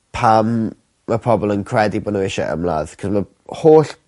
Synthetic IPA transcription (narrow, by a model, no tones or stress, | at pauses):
pʰamː | əpʰɔbɔlˠənkʰrɛdibɔnəɪʃa̰ʔə̰mlˠa̰ːð̥kʰɔzmə | hoːɬ